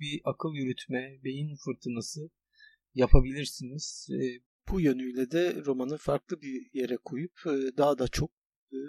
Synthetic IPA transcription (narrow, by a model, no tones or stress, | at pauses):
biʔakʰɯlˠjyɾyt̪ʰmɛbe̞jinfɯɾt̪ʰɯnasɯ | japʰabilʲiɾsiniz̥ | b̥ujø̞nyjlʲɛd̪ɛɾo̞manɯfaɾklˠɯbije̞ɾɛkʰujup̚ːd̪aɦad̪at͡ʃʰo̞k̚ː